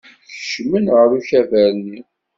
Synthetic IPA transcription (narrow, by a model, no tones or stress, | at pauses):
çə̥ʃmənʁəɾuçævæɾni